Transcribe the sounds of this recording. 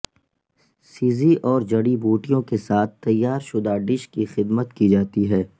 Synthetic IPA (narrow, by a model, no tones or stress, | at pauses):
siːziʔɔːɾd͡ʒɐɽiboːʈijõkesaːt̪̚ʰt̪ːɐjːaːɾʃʊd̪aɖɪʃkixɪd̪mət̪kid͡ʒaːt̪iɦɛː